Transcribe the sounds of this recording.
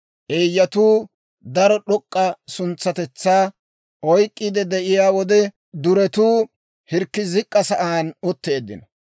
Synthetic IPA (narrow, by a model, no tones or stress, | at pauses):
ʔeːjːɐt̪uː | d̪ɐɾɔɗɔkʼːɐsʊnt͡sːɐt̪ɛt͡sːaː | ɔjkʼːid̪ɛd̪ɛʔɪjaːwɔd̪ɛ | d̪ʊɾɛt̪uː | hɪɾkːɪzɪkʼːɐsɐʔaːnɔt̪ːe̞ːd̪ːɪ̰nɐ